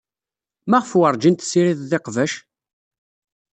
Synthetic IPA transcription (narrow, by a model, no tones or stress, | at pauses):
mæʁəfwəɾˤd͡ʒint̪siɾiððeqvæʃ